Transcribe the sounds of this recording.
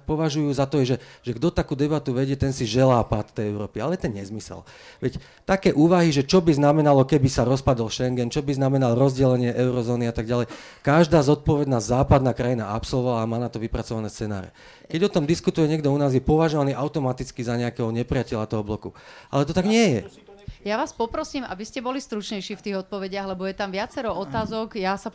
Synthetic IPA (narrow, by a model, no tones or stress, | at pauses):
pɔʋaʒujuːzat̪ɔjɛʒɛʒɛɡd̪ɔt̪akuːd̪ɛbat̪uʋɛɟɪɛt̪ɛnsiʒɛlaːpat̪t̪ːɛjɛʊɾɔːpialɛjɛt̪ɛnɲɛzmisɛ̰l | ʋɛc | t̪akɛːʔuːʋaɦiʒɛt͡ʃɔbiznamɛnalɔkɛbisaɾɔspad̪ɔlʃɛŋɡɛnt͡ʃɔbiznamɛnalɾɔzɟɛlɛɲɪɛʔɛʊɾɔzɔːniat̪aɡɟalɛj | kaʒd̪aːzɔt̪̚pɔʋɛd̪nazaːpad̪naːkɾajinaapsɔlˠʋɔʋalaːmaːnat̪ɔʋipɾat͡sɔʋanɛːst͡sɛna̰ːɾɛ̰ | kɛɟɔt̪ɔmd̪iskut̪ujɛɲɪɛɡd̪ɔunaːzjɛpɔʋaʒɔʋaniːʔaʊt̪ɔmat̪it͡skizaɲɛakɛɦɔɲɛpɾiɪacɛʎat̪ɔɦɔblɔkuʔa̰lɛt̪ɔt̪aɡɲɪɛjɛ̰ | jaʋaːspɔpɾɔsiːmʔa̰biscɛbɔlist̪ɾut͡ʃɲɛjʃiːft̪iːɣɔt̪̚pɔʋɛɟɪaɣlɛbɔjɛt̪amʋɪat͡sɛɾɔɔt̪aːzɔɡjasa